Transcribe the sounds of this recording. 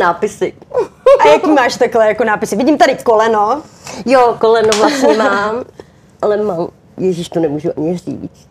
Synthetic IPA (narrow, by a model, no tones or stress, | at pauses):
naːpɪsɪajakiːmaːʃt̪aklɛjakonaːpɪsɪvɪɟimt̪adɪkolɛnojokolɛnovlasɲɛmaːm | ʔalɛmaːm | jɛʒiʃt̪onɛmuːʒuʔaɲɪrḭːt͡st̪